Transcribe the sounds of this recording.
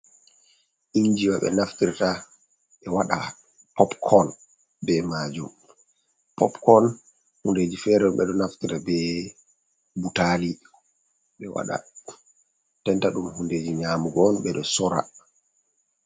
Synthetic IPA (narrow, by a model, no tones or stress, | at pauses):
ʔiɲd͡ʒiwaɓɛ̰naftiɾta | ɓɛwaɗa̰ | pɔpkʰɔn | bɛmad͡ʒum | pɔpkɔn | hunded͡ʒifɛɾɛɗumɓɛɗɔnaftiɾabɛ | butaːli | ɓɛwa̰ɗa̰ | tɛntaɗumhunded͡ʒiɲaːmuɡɔnɓɛɗɔsɔɾa̰